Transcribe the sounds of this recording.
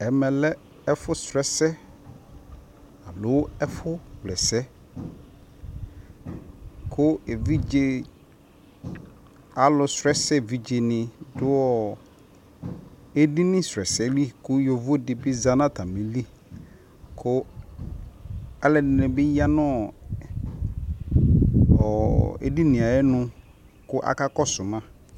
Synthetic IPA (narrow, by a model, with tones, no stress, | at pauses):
ɛ˨mɛ̃˨lɛ˦ | ɛ˦fʊ˦sɾɛ˦sɛ˦ | a˨lʊ˨˦wɛ˦fʊ˦wlɛ˨sɛ˦ | kʰʊ˦e˨vi˦d͡ʒe˨ | a˨lʊ˨sɾɛ˦sɛ˦vi˨d͡ʒe˨nɪ̃˨dʊ˦ɔ˦ | e˦di˦nɪ̃˦sɾɛ˨sɛ˦li˦kʊ˦jo˨vo˦dɪ˨bɪ˦za˦nã˦t̪a˨mĩ˨li˦ | kʰʊ˦ | a˦lɛ˨dɪ˨nɪ̃˨bɪ˦ja˦nɔ̃˦ | ɔ˨ḛ˦di˦nɪ̃˨a˨jɛ˦nʊ̃˦ | kʊ˦ʔa̰˨ka˦kɔ˦sʊ˨mã˦